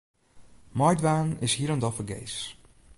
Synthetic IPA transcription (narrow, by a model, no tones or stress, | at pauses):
mɔjdʋaːnɪshiəɾəndɔfəɡḛjs